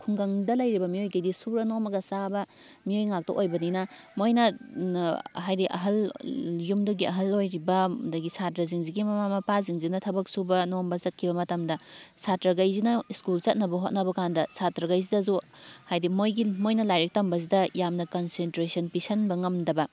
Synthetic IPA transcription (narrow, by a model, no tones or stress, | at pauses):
kʰuŋɡɐŋdɐlɐjɾibɐmiojkɐjdisuɾɐnomɐɡɐsabɐ | miojŋak̚tɐ̰ʔojbɐninɐ | mojnɐ | ɦajdiʔɐ̰ɦɐljumdoɡiɐɦɐlojɾibɐdɐɡisatɾɐziŋziɡimɐmamɐpaziŋzinɐtʰɐbɐk̚subɐnombɐzɐt̚kʰibɐmɐtɐmdɐsatɾɐɡajzinɐiskult͡ʃɐt̚nɐbɐɦot̚nɐbɐkandɐsatɾɐɡɐjzidɐzu | hajdimojɡimojnɐlajɾek̚tɐmbɐzidɐjamnɐkonsentɾesɐnpisɐnbɐŋɐmdɐbɐ